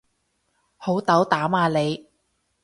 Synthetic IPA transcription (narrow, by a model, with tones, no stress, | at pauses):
ho˨˥wt̪ɐ˨˥wt̪aː˨˥maː˨˧le˨˧j